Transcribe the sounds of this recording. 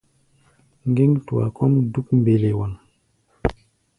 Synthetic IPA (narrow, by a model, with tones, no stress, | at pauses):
ŋɡe˦ŋtu˨a̰˨kɔ˦mdu˦k̚m˨be˨le˨wa˨n